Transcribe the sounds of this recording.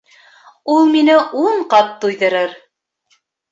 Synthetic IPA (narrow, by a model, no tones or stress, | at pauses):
ulˠminɘʔuɴqɑt̪ːujðɤ̆ɾɤɾ